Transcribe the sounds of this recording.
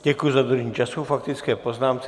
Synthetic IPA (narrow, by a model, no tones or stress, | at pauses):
ɟɛkujuzad̪ɾuʒɲiːt͡ʃasufak̚t̪ɪt͡skɛːpoznaːmt͡sɛ